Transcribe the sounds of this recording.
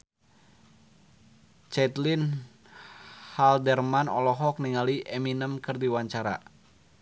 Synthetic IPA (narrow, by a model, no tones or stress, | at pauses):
t͡ʃɛt̪lin | haldɛrmanɔlɔɦɔk̚niŋaliʔɛminəmkərdiwaɲt͡ʃaɾa̰